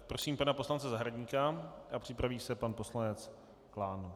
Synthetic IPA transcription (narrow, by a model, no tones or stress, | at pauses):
pɾo̞siːmpanaposlant͡sɛzaɦɾadɲiːkaʔapr̥ɪpɾaviːsɛpanpo̞slanɛt͡s | klaːn